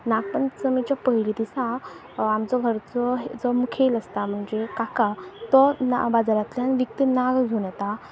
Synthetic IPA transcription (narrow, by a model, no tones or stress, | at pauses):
naɡ̚pəɳt͡səmit͡ɕjapəɦilit̪isã | amt͡sɔɡʱəɾt͡sɔɦed͡zɔmukʰeləst̪am̤əɳd͡zekakat̪ɔna̰bad͡zaɾat̪ljanʋik̚t̪inaɡd͡zʱonɛt̪a